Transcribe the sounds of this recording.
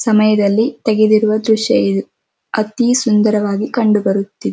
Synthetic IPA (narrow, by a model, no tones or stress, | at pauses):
sɐmɐjɐd̪ɐlːit̪ɛɡed̪iɾuʋɐd̪ɾuʃɐjid̪u | ɐt̪isund̪ɐɾɐʋaːɡikɐɳɖubɐɾut̪ːid̪e